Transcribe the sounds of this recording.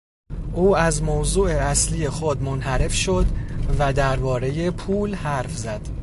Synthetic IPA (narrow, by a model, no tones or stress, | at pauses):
ʔuːæzmowzuːʔeæslije̞xod̪monhæɾe̞fʃo̞d̪væd̪æɾbɒːɾe̞je̞pʰuːlhæɾfzæd̪̥